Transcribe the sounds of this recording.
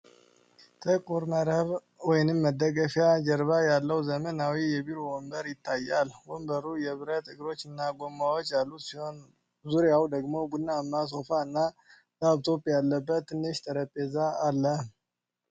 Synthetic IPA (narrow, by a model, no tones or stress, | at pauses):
t̪ʰəkʼuɾməɾəβ | wɔjnɨmːəd̪ːəɡəfjad͡ʒəɾβajalːəwzəmənawijɛbiɾowombəɾjɪt̪ːajalwombəɾujɛβɨɾət̪ɨɡɾo̞t͡ʃːɨnːaɡo̞mːawot͡ʃːjalːusihon | zuɾjawd̪əɡmo̞ɡudnːamːas̬o̞faɨnːa | daβt̪ʰo̞pʼjalːəbːət̪ʰːɨnːɨʃt̪ʰəɾəpʼːezaːlːə